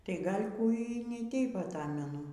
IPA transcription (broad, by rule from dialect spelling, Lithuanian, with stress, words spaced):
tɐɪ ˈɡɐlʲ kuː iː nʲɪ ˈtʲɛɪp ɐˈtɑːmʲɛnʊ